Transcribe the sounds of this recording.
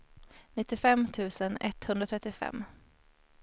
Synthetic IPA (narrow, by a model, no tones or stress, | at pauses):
nɪt̪ːɪfɛmt̪ʰʉ̟ːsənɛt̪hɵnɾat̪ʰɾɛt̪ːɪfɛ̰mː